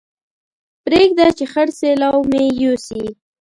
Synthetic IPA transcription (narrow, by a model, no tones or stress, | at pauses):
pɾeɡ̚d̪at͡ʃexaɽselawmejosi